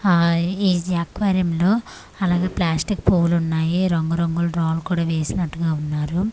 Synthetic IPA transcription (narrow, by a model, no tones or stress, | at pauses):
eːd͡ʒiɐkʋaːɾjɐmloː | ɐlaːɡeːplaːsʈikpoːlunːaːjiɾoŋɡɐɾoŋɡulɾoːlkuːɽaːʋe̞ːsinɐʈːuɡaːunːaːɾu